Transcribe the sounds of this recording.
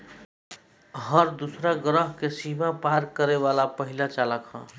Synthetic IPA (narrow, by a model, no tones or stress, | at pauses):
ɦəɾd̪usɾaɡɾəɦkesimapaɾkəɾeʋalapəɦilat͡ʃaləkɦə̰̃